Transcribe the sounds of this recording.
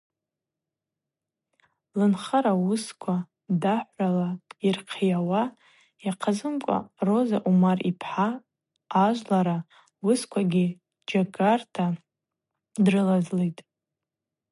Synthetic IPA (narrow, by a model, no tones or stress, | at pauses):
lɨnχaɾawʊskʷʰa | daħʷalairqʰijawa | jaqʰazɨmkʷʼa̰ro̞zaʔumaripʰħaː | ʒʷlaɾa | wʊskʷʰaɡʲi | d͡ʒaɡartʰa | drɨlazlejtʼ